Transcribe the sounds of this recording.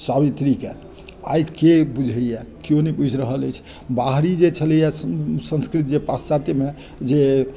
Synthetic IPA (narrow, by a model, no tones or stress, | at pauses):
saβit̪ɾikḛ | a̰jkebud͡ʒʱəjɛkijonɛbud͡ʒʱɾəɦələjt͡ʃʰ | baɦɾid͡ʒet͡ʃʰəljɛsə̃nskɾit̪d͡ʒepast͡ʃat̪eme | d͡ʒe